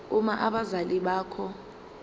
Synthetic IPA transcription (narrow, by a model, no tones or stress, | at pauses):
umaʔaɓazaliɓaːkʰɔ